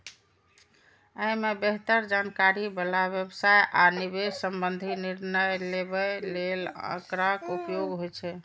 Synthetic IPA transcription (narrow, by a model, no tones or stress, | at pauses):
əjmebeɦt̪əɾd͡ʒankaɾibəlaβjəbsajʔanibesəmbənd̪ʱiniɾnəjlebəlelə̰̃kɾakupjoɡɦojt͡ʃʰɛ